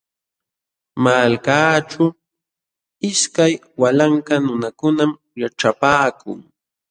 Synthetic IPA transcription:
malkaːʈ͡ʂa | ɪskaj | walaŋkanʊnakʊnam | jaʈ͡ʂapaːkʊ̰ŋ

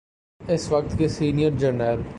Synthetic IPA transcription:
ɪsʋək̚t̪kesiːnijəɾd͡ʒənɛːl

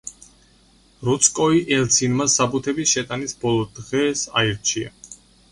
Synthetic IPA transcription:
ɾut̪sʰkʼɔiʔɛlt̪sʰinmasabut̪ʰɛbisʃɛt̪ʼanisbɔlˠɔd̪̥ʁɛsa̰iɾt͡ʃʰia̰

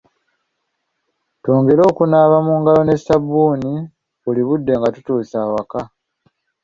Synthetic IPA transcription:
to̞ːŋɡe̞ɾo̞ːkunaːβamuŋɡalo̞ne̞stabːuːni | βuliβudːe̞ŋɡatutuːsaːwaka

